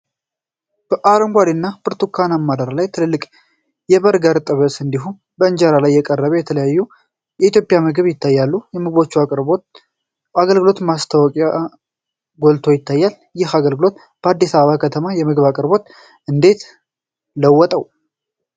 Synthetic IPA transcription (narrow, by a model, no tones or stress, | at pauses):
b̥əʔaɾəŋɡʷaɾinːabɨɾt̪ʰukʰanamːad̪əɾlajt̪ʰɨlɨlːɨkʼ | jɛβəɾɡəɾt̪ʼɨβəsɨnd̪iɦum | bəɨnd͡ʒaɾalajːɛkʼərːəβɛjɛt̪ʰələjajːu | jɛit̪ʰjo̞pʼjamɨɡɨβjɪt̪ʰːajːalːujɛmɨɡbo̞t͡ʃːuakʼɾo | aɡəlɡɨlo̞t̪mast̪ʰəwɔkʼa | ɡo̞lt̪ʰo̞jɪt̪ːajːal | jɪhaɡəlɡɨlo̞t̪ | b̥əad̪ːisaβəβakʰət̪ʰəmajɛmɨɡβakʼɨɾbo̞t̪ | ʔɨnd̪e̞t̪ | ləwːɔt̪ʼəw